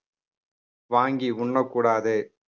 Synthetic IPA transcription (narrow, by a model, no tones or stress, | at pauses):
ʋaːŋɡiʊɳːɐkːuːɽaːðe